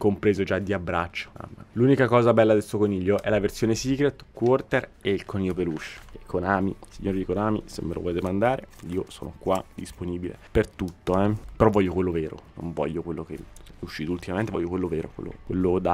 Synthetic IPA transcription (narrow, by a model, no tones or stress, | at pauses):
kompɾeːzod͡ʒad̪ːiabːɾat͡ʃːo̥a̰mːaluːnikakɔːzabɛlːad̪est̪okoniʎːoʔɛlaversjoːnesikɾet̪kwɔrt̪ereilkoniʎːopelut͡ʃːekʰːonaːmisiɲːoːɾid̪ikonaːmḭsḛmːelʔo̰vɔled̪emand̪aːɾeiːoso̰ːno̰kwad̪̥isponiːbilḛpert̪ut̪ːoɛpeɾɔvːɔʎːokwelːoveːɾo̰no̰ɱvɔ̰ʎːokwelːokeɛuʃːiːt̪oult̪imamẽnt̪evɔ̰jːokwelːoveːɾo̰kwḛlːo̰kwḛlːod̪a